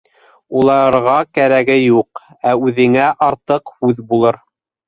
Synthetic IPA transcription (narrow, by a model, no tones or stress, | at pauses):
ulˠɑɾʁɑkæɾæɡɘjuq | æʉðɘ̆ŋæʔɑɾt̪ɤqhʉðbulˠɤɾ